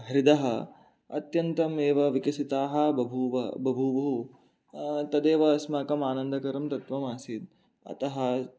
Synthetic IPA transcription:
ɦɐɾid̪ɐɦɐ | ɐ̰t̪jɐnt̪ɐmeːʋɐʋikɐsit̪aːɦɐbɐbʱuʋɐbɐbʱubɐɦu | t̪ɐd̪eːʋɐsmaːkɐmaːnɐnd̪ɐkɐɾɐmt̪ɐt̪ʋɐmaːsid̪̚ | ɐ̰t̪ɐɦɐ

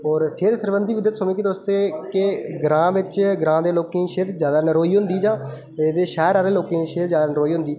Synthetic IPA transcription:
ɔːɾseːɾsəɾʋənd̪iːʋɪd̪ːət̪somẽːkit̪ost̪eːkeɡɾãːʋɪt͡ʃɡɾãːd̪eːloːkẽːʃeːd̪zjaːd̪aːnəɾoːiːɦʊ̃nd̪iːd͡ʒãː | eːd̪eːʃɛːɾaːɾeːloːkẽːʃeːd̪zjaːd̪aːnəɾoːiːɦʊ̃nd̪iː

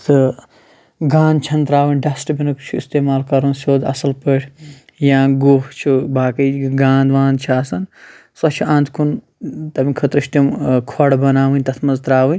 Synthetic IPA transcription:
t̪ʰɨ | ɡãːnd̪t͡ʃʰɐnt̪ɾaːʋɨnʲɖɐsʈbinɨkt͡ʃʰuist̪eːmaːlkɐɾunsʲoːd̪ɐ̰sɐlpəʈʰʲ | jãːɡoɦt͡ʃʰubaːkɐɡaːnd̪ʋãːnd̪t͡ʃʰaːsɐn | sɐt͡ʃʰuãːnd̪kʰun | t̪ɐmʲikʰɐt̪ɾɨʃt̪imkʰoɽbɐnaːʋɨnʲt̪ɐt̪ʰmɐzt̪ɾaːʋɨn

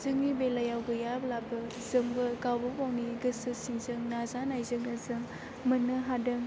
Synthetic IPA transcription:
zɯŋnibelajawɡɯjablabɯ | zɯmɡɯkawbɐpawniɡɯsɯsiŋzɯŋnazanajzɯŋɐzɯŋ | mɯnɯɦadɯŋ

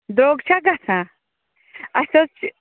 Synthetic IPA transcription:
d̪ɾoːɡt͡ʃʰaɡasã | ɐsot͡ʃ

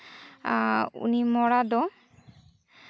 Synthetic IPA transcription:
ṵnimɔɽad̪ɔ

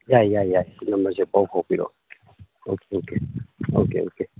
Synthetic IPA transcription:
jajajainamazɛbaukɔkiɾɔ̰ | okeokeo̰kḛoke

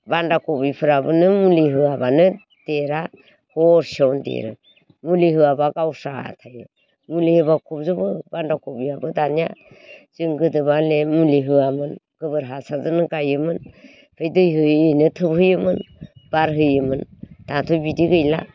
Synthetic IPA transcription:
bandakɔbipʰɯɾabɯnɯmuliɦɯabanɯ | d̥eɾa | hɔɾsɔwndḛɾɯ̰ | muliɦɯabaɡawsa̰tʰajɯ̰ | mulihɯbakʰɔp̚zɯbɯbandakɔbiabɯdanija̰ | z̥ɯŋɡɯdɯβalemuliɦɯamɯnɡ̥ɯbɯɾɦasazɯnɯɡajɯmɯn | pʰɯjdɯjɦɯinɯtʰɯbhɯjɯmɯnb̥aɾɦɯjɯmɯntatʰujbidiɡɯjla̰

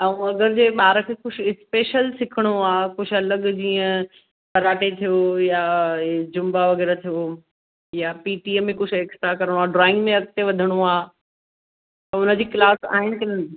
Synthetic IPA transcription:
ɐũɐɡəɾd͡ʑeːɓaːɾəkʰekʊɪspeːʃəlsɪkʰəɽ̃oaːkʊd͡ʑʰɐləɡd͡ʑiːə̃ | pɐɾaːʈet̪ʰijojad͡ʑʊmbaʋɐɣɛːɾat̪ʰijo | japiːʈiːemẽkʊt͡ɕʰeːksʈ̪ɾakɐɾəɽ̃oaːɖɾɔːɪ̃ŋɡmẽɐk̚t̪eʋɐd̪ʱəɽ̃oaː | t̪ɐʊnəd͡ʑiːklaːsa̰ːɦɪnɪ̆kɪlən

